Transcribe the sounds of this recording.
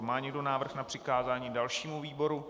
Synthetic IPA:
maːɲɛɡdo̞naːvr̩xnapr̝̥ɪkaːzaːɲiːdalʃiːmuviːbo̞ɾu

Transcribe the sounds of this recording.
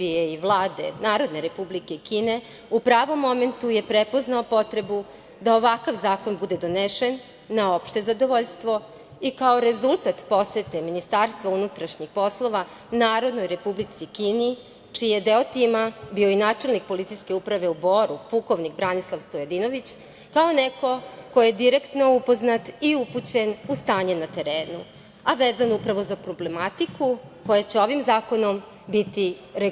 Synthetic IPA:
bieiʋlˠaːd̪e̞̰naːɾo̞d̪ne̞ɾe̞publikeikiːne̞ | upɾaːʋo̞mːo̞me̞nt̪uje̞pɾepo̞znaopo̞t̪ɾe̞bu | d̪aoʋakaʋzaːko̞nbud̪e̞d̪o̞neʃenː | ao̞pʃt̪e̞zad̪o̞ʋoʎst̪ʋo̞ | ikaoɾe̞zulˠt̪at̪po̞set̪e̞minist̪aːɾst̪ʋaunut̪ɾaʃɲixpo̞slˠo̞ʋa | naːɾo̞d̪no̞jɾe̞publit̪sikiːni | t͡ʃijed̪eot̪imabioinaːt͡ʂe̞lnik̚po̞lit̪sijske̞upɾaʋe̞ubo̞ːɾupuko̞ʋnikbɾanislˠaʋst̪ojed̪ino̞ʋit͡ɕ | kao̞neko̞kojed̪iɾekt̪no̞upo̞znat̪iuput͡ɕe̞nust̪aːɲenat̪e̞ɾeːnṵ | aʋeːzanupɾaʋo̞zapɾo̞ble̞mat̪ikʰuko̞jat͡ɕe̞o̞ʋimzaːko̞no̞m | bit̪i | ɾe

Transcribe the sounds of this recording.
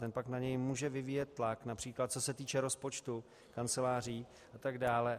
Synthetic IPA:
t̪ɛnpaknaɲɛjmuːʒɛvɪviːjɛt̪̚ːlaknapr̥iːklat̪̚t͡sosɛt̪iːt͡ʃɛɾo̞spo̞t͡ʃt̪u | kant͡sɛlaːr̝iː | ʔat̪aɡdaːlɛ

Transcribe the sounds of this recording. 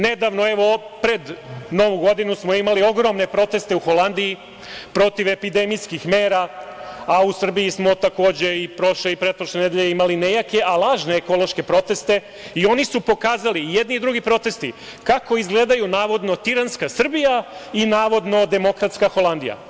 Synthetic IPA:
ne̞d̪aʋno̞e̞ʋopɾe̞d̪no̞ʋuɡo̞d̪inusmo̞imalio̞ɡɾo̞mne̞pɾo̞t̪e̞st̪e̞uxo̞land̪ii | pɾo̞t̪iʋe̞pid̪e̞mijskixme̞ːɾa | ausr̩bijismo̞t̪ako̞ːd͡ʑe̞ipɾo̞ʃleipɾepɾoʃlene̞d̪eʎeimaline̞jake̞ʔalˠaːʒne̞ːko̞lo̞ʃke̞pɾo̞t̪e̞st̪e̞ | io̞nisupo̞kaːzalijed̪nid̪ɾuɡipɾo̞t̪e̞st̪ḭ | kako̞izɡleːd̪ajunaːʋo̞d̪no̞t̪iɾanskasr̩bijainaːʋo̞d̪no̞d̪e̞mo̞kɾat̪skaxo̞lˠand̪ija̰

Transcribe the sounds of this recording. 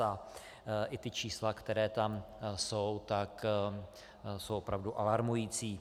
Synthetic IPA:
a | ʔɪt̪ɪt͡ʃiːslakt̪ɛɾɛːt̪amsowt̪ak | sowʔopɾavduʔalaɾmujiːt͡siː

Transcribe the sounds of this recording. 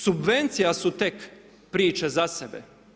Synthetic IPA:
subʋe̞nt̪sijasut̪ek | pɾiːt͡ʃezasebḛ

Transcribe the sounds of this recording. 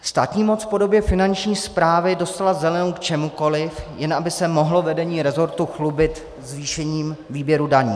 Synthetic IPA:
st̪a̰ːt̪ɲiːmo̞t͡sfpo̞do̞bjɛfɪnant͡ʃɲiːspɾaːvɪdo̞st̪alazɛlɛnowkt͡ʃɛmuko̞lɪfjɛnʔabɪsɛmo̞ɦlovɛdɛɲiːɾɛzo̞ɾt̪uxlubɪt̪ | zviːʃɛɲiːmviːbjɛɾudaɲḭː

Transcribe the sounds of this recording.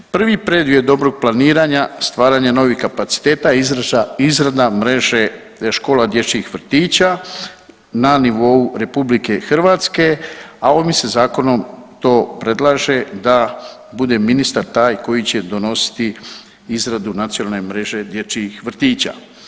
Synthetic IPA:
pr̩ʋipɾe̞d̪jiod̪o̞bɾo̞ɡ̚planiːɾaɲast̪ʋaːɾaɲano̞ʋixkapat̪si̥t̪eːt̪aizɾaaizɾad̪amɾe̞ʒe | ʃko̞ːlad̪jet͡ʃiixʋr̩t̪iːt͡ɕa | naniʋo̞uɾe̞publike̞xr̩ʋaːt̪ske̞ao̞misezaːko̞no̞mt̪o̞ːpɾe̞d̪lˠaːʒe̞d̪a | bud̪e̞minist̪aɾt̪aːjko̞jit͡ɕe̞d̪o̞no̞si̥t̪i | izɾad̪unat̪sionalnemɾe̞ʒe̞d̪jet͡ʃiixʋr̩t̪iːt͡ɕa̰

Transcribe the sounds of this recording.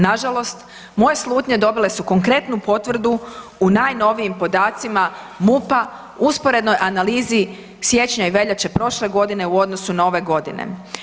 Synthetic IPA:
naʒalo̞st̪ | mo̞je̞slˠuːt̪ɲe̞d̪o̞bile̞suko̞ŋkɾe̞t̪nupo̞t̪ʋr̩d̪uːnaːjno̞ʋijimpo̞d̪aːt̪sima | mupa | uspo̞ɾe̞d̪no̞jʔanaliːzi | sje̞t͡ɕɲaiʋe̞ʎat͡ɕepɾo̞ʃle̞ɡo̞d̪ine̞uo̞d̪no̞sunao̞ʋe̞ɡo̞d̪ḭnḛ

